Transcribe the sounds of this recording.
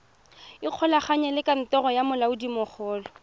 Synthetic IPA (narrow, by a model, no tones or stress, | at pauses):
ɪq͡χʰɔlaχaɲɛlɪkʼan̩tɔrɔjamʊlaudimʊχʰɔːlɔ